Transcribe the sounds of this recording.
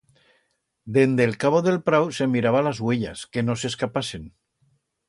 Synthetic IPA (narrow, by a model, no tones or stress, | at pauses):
d̪end̪elkaβ̞oðe̞lpɾawse̞miɾaβ̞alazweʎa̰skenose̞skapasen